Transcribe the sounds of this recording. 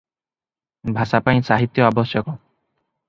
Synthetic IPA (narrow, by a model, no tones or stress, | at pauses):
bʱasapaj̃saɦit̪ːjɔabɔsjɔkɔ